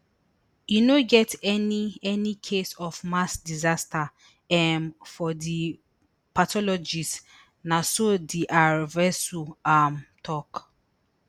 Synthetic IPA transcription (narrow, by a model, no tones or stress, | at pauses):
junoɡɛtɛniɛnikʰesɔfmasdizasta | ɛmfɔdi | patɔlɔd͡ʒis | nasodiʔaɹvɛsuamtʰɔk